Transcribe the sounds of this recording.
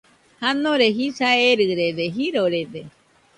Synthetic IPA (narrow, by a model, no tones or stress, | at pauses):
hanõɾeɦisaeɾɨɾedeɦiɾoɾede